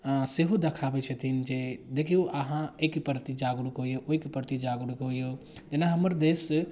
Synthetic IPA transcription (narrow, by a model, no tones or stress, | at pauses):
seɦud̪ɐkʰaːbet͡ʃʰet̪ʰind͡ʒed̪eːkʰijoʔəɦãeːkipəɾt̪id͡ʒaːɡɾukɦoːjoʔoikpəɾt̪id͡ʒaːɡɽukɦojoː | d͡ʒɪnãɦɐməɾd̪eːs